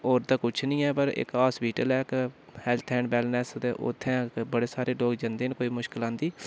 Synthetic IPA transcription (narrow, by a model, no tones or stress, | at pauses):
oːɾt̪aːkʊt͡ʃʰnĩːɛːpəɾɪ̰kaːsbiːʈəlɛːkhɛːlt̪ʰɛ̃ːɳɖbɛːlnɛːst̪eːʔʊ̰t̪ʰːɛ̃ːkbəɽeːsaːɾeːloːɡd͡ʒə̃nd̪eːnkoːiːmʊʃkɪlãːnd̪iː